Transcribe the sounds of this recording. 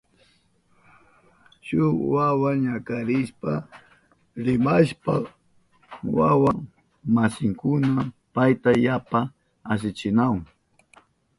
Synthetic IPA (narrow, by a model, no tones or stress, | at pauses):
ʃʊwawaɲakaɾɪʃpa | ɾɪmaʃpa | wawa | masɪŋkʊnapajt̪ajapa | as̬ɪt͡ʃɪnaw